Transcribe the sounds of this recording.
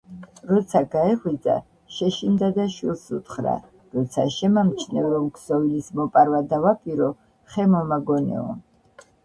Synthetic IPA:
ɾɔt̪sʰaɡaɛʁwid̪zʼa̰ | ʃɛʃind̪ad̪aʃwilˠsut̪χɾa̰ | ɾɔt̪sʰa̰ʃɛmamt͡ʃʰnɛɾɔmkʰsɔvilismɔpʼaɾwad̪avapʼiɾɔ | χɛmɔmaɡɔnɛ̰ɔ̰

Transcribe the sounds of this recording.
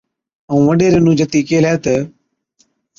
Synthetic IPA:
əũːʋəɗeːɾenũːd͡ʒət̪iːkeːlaet̪ə

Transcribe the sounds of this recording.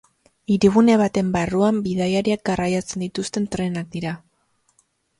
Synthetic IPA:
iɾiɣune̞β̞at̪e̞mbaruambiðajaɾiak̚ɡarajat͡se̞nd̪it̪ust̪e̞nt̪ɾe̞nak̚d̪iɾa

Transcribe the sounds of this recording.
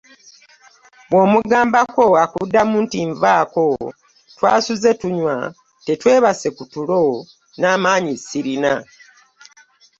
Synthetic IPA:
bwo̞ːmuɡaːmbako̞akudːamuːntiɱvaːko̞ | twaːsuze̞tuɲwa̰ | te̞twe̞ːβase̞kutulo̞ | naːmaːɲisiɾina

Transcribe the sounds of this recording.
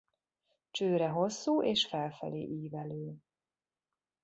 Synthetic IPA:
t͡ʃøːɾɛɦo̞sːuːʔeːʃfɛlfɛ̰lḛːʔiːvɛløː

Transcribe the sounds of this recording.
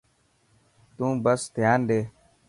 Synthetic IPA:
t̪ũːbəst̪jaːnɗ̪eː

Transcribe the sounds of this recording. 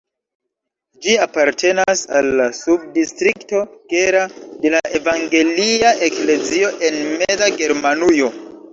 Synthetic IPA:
d͡ʒiapaɾtʰe̞nasa̰lːasub̚distɾikto̞ɡ̥eɾade̞laʔe̞vaŋɡe̞liaʔekle̞zio̞ʔe̞nmezaɡe̞ɾmanujo̞

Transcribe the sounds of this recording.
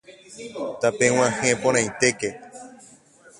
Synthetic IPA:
t̪apẽw̃ãhẽpõɾ̃ãj̃t̪e̞ke

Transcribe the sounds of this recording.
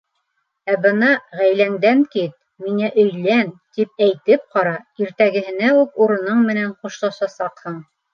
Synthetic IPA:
æbɤnɑʁæjlæŋd̪æŋkit̪̚ | miŋæʔɵ̆jlænt̪ip̚æjt̪ɘp̚qɑɾɑiɾt̪æɡɘ̆ɦɘ̆næʉkuɾɤ̆nɤɴmɘ̆næɴquʃlˠɑʃɑsɑqhɤɴ

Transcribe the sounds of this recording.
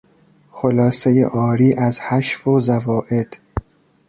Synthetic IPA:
xolɒːsejḛʔɒːɾiːʔæzhæʃfozævɒːʔed̪̥

